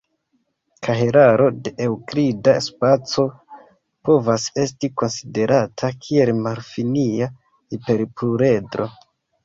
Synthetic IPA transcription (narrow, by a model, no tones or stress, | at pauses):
kʰaɦe̞ɾaɾo̞de̞ʔewkɾidaspat͡so̞ | po̞vase̞s̬tiko̞nside̞ɾʔatʰakʰie̞lmaɾfinia | ipe̞ɾpluɾe̞dɾo̞̰